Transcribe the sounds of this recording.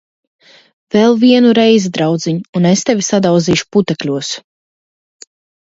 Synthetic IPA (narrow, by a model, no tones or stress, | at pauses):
v̥ɛlˠviɛnuɾɛjzid̪ɾawd̪ziɲuːnest̪evʲisad̪awd̪ziːʃu̥put̪ɛklʲuɔs